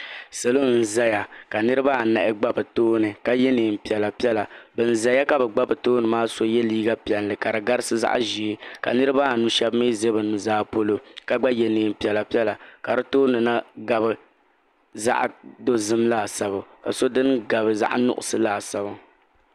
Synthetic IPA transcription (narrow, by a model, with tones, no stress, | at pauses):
sa˨lo˦n̩˨za˦ja˨ka˨nɨ˦ɾɨ˦ba˦˨na˨ʔɪ˦ɡ͡ba˦bɨ˨toː˦nɨ˨ka˦jɛ˦neː˨m̩˨pi˨ɛ˨la˨pi˦ɛ˦la˨bɨ˨n̩˦˨za˨ja˦ka˨bɛ˨ɡ͡ba˦bɨ˨toː˦nɨ˨maː˦so˦jɛ˦liː˦ɡa˦pɛ˨llɨ˨ka˨ɾɨ˨ɡa˦ɾɨ˦sɨ˦za̰˦ʔʒi˨e˦ka̰˨nɨ˦ɾɨ˦ba˦˨nu˦ʃɛ˦bmiː˦ze˦bɨ˨nːɨ˨zaː˦po˦lo˦ka˨ɡ͡ba˦jɛ˨neː˨m˨pi˨ɛ˨la˨pi˦ɛ˦la˨ka˨ɾɨ˦toː˦nɨ˨na˦ɡa˨bɨ˨ | za̰˦ʔdo˦zɨ˦mlaː˨sa˨ba˨ka˨so˦dɨ˦nɡa˨bɨ˨za̰˦ʔnʊ̰˦ʔʊ̰˨sɨ˦laː˦˨sa˨ba˦